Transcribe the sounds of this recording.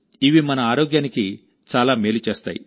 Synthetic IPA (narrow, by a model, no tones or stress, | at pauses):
iʋimɐnɐaːɾoːɡjaːniki | t͡ʃaːlaːmeːlut͡ʃeːst̪a̰ːjḭ